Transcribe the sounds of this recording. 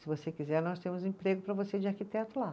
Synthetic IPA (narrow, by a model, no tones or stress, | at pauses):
sɪvosekizɛɾnɔst̪ẽmʊzĩpɾeɡʊpɾɐvosed͡ʒɪaɾkit̪ɛt̪ʊla